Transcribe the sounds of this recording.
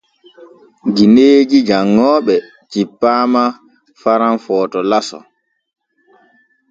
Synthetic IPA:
ɡineːd͡ʒid͡ʒaŋːɔːɓɛ | t͡ʃipːaːma | faɾanfɔːtɔlasɔ̰

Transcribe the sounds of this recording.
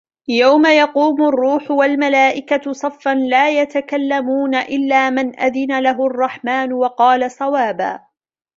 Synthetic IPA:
jawmajɑquːmʊrˤːuːħʊwalmalaːʔɪkasˤɑfːanlaːjat̪akalːamuːnaʔɪlːaːmɪnʔa̰ðɪnalaɦʊɑrˤːɑħmaːnwɑqɑːlasˤɑwaːba̰ː

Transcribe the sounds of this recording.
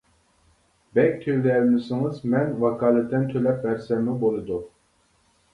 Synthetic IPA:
bɛk̚ʲt̪ʰøwɾɛlmɪsɪŋɨzmɛnvɑkʰɑːlˠɛt̪ʰːɛnt̪ʰølɛp̚bæɾsɛɾmɪbolˠɨd̪u

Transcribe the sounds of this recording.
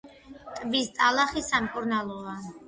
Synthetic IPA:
t̪ʼbist̪ʼalˠaχisamkʼuɾnalˠɔa

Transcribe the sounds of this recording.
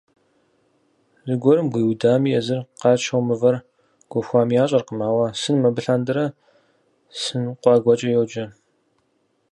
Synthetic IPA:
zɨɡʷɔɾɨmɡʷiːwdaːmiːjɛzɨrqɑːt͡ʃʰɐwmɨvɐr | ɡ̥ʷɔxʷɑːmijaːɕʼɐrqəmaːwɐsɨnmɐbɨɬɐndɨɾɐ | sɨnqʷɑːɡʷɐt͡ʃʼɐjowd͡ʒɐ

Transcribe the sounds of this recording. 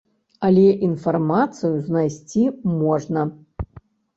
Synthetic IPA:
alʲɛʔinfarmat̪sɨjuznajsʲt͡sʲimɔʐnɐ

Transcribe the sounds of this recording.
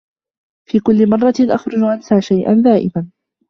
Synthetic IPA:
fiːkʊlːɪmɑrˤːɑʔaxɾˤʊd͡ʒʊʔansaːʃajʔa̰nðaːʔɪ̰man

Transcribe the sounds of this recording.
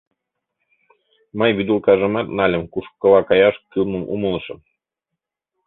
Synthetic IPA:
mɤjβid̪ulˠkɑʒɤ̆mɑt̪nɑlʲɘ̆mkuʃkːɤ̆lˠɑkɑjɑʃkylˠmɤ̆mʔṵmɤ̆lˠɤ̆ʃɤ̆m

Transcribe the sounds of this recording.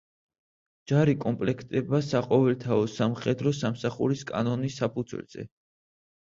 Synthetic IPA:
d͡ʒaɾikʼɔmpʼlɛkʰt̪ʼɛbasaqʼɔvɛlt̪ʰaɔsamχɛd̪ɾɔsamsaχuɾiskʼa̰nɔnisapʰud̪zwɛ̰lz̥ɛ̰

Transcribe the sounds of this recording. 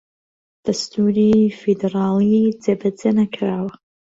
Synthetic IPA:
d̥astʰuɾifedeɾaːlid͡zebad͡zɐnakʰraːwa

